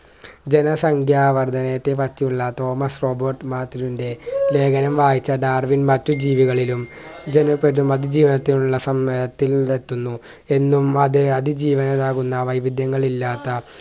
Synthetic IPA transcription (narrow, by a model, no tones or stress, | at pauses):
d͡ʑe̞nɐsɐŋkʰjaːʋɐrd̪ʱɐnɐjɐt̪ːe̞pɐt͡ɕːijuɭːɐt̪o̞ːmɐsro̞ːbɐrʈmaːt̪ːilinde̞le̞ːɡɐnɐmʋaːjit͡ɕːɐɖaːrʋinmɐtːud͡ʑiːʋiɣɐɭilumd͡ʑe̞nɐpːeɾumɐðid͡ʑiːʋɐnɐt̪ːinuɭːɐsɐmːɐɾɐt̪ːile̞t̪ːunːu | e̞nːumɐðɨɐðid͡ʑiːʋɐnɐðaːɣunːɐʋɐjbid̪ʱjɐŋːɐɭilːaːt̪ːɐ